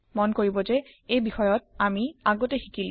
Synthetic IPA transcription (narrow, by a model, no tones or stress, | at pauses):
monkoɹibod͡ʑeejbixɔjɔt̚amiaɡoteɦikili